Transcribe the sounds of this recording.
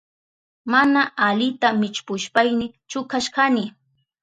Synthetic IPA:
manaalɪt̪amɪt͡ʃpʊʃpajnɪ | t͡ʃʊkaʃɢɑnɪ

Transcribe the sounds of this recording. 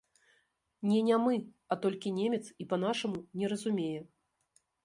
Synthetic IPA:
nʲɛnʲɛmɨ | at̪ɔlʲkʲinʲemʲɛt̪sipɐn̪aʂɐmunʲɛɾɐzumʲejɛ

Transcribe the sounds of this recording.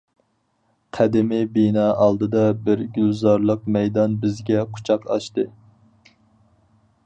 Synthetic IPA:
qʰæd̪ɪmɪbinɑːʔɑlˠd̪ɨd̪ɑbɪɾɡʲylzɑɾlˠəq̚mɛjd̪ɑnbɪzɡʲɛqʰʊ̥t͡ʃʰɑqɑ̰ʃt̪ɨ

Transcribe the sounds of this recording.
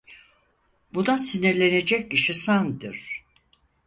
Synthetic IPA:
bud̪asiniɾlʲe̞ne̞d͡ʒɛc̚ciʃisand̪ɯɾ̥

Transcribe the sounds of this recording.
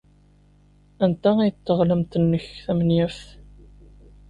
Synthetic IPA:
ænt̪ææjət̪ːəʁləmt̪ənːəçθæmnjifθ

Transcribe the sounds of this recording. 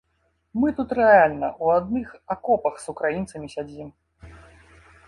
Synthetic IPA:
mɨt̪ut̪ɾɛalʲnɐʔuad̪nɨxakɔpɐxsukɾajint̪sɐmʲisʲad͡zʲim

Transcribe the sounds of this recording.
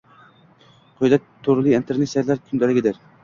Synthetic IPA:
qʰojlɛt̪ʰːoɾlˠiint̪ʰeɾnet̪saɾlæɾkʲʰynd̪ælɪɡʲɪd̪ɪɾ

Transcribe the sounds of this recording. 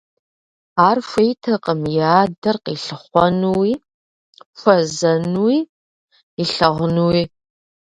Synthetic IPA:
aːrfʷejtʰɐqʼəmjaːdɐrqiɬɨχʷɔnuwiː | fʷɐzɐnwiː | iɬɐʁnuwiː

